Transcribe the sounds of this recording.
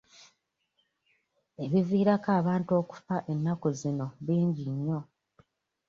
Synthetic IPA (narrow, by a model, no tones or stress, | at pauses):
e̞βiviːɾakaːβaːntuo̞ku̥faʔe̞nːakozino̞βiːɲɟiɲjo̞